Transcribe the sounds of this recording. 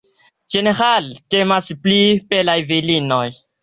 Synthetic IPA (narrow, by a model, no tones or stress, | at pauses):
d͡ʒeneɾaltemasplipelajvilinoj